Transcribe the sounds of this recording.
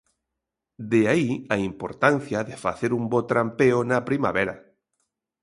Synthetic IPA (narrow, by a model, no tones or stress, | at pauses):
d̪eaiaimpoɾt̪an̟θjaðefa̰θeɾumbot̪ɾampeonapɾima̰βeɾa